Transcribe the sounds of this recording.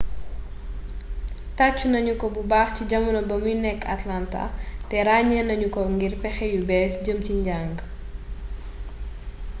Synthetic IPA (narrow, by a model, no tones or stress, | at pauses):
tat͡ʃːunɐɲukɔbubaːxciɟɐmɐnɐbɐmjinɛkːa̰tlanta̰tɛɾaːɲɐnɐɲukɔŋɡirpɛxɛjubɛːsɟəmciɲɟaŋɡ